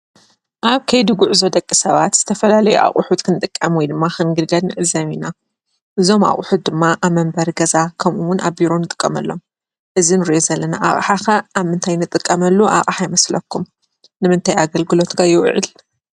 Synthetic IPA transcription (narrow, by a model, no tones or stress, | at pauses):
ʔaβkʰɐjd̪uɡuʕzo̞d̪ɐkʼːisɐβat̪z̥ɨt̪ʰɐfɐlalɐjuʔa̰χʼuħut̪kʰɨnɨt̪ʼɨkʼːɐmwɔjd̪ɨmːaxɨnɡɨlɡɐlnɨʕɨzɐmina | ʔɨzo̞ma̰χʼʊħut̪̚d̪ɨmːaʔaβmɐmbɐɾɡɐzakʰɐmʔuwʊnʔaβbiɾonɨt̪ʼɨ̥kʼːɐmɐlːo̞m | ʔɨzinɨɾjozɐlːɐna̰ʔa̰χʼħaxɐʔaβmɨnt̪ʰajnɨt̪ʼɨkʼːɐmɐlːuʔa̰χʼħajmɐslɐkʰːum | nɨmɨnt̪ʰajaɡɐlɡɨlo̞t̪kʰajɪw̰ʕɨ̰l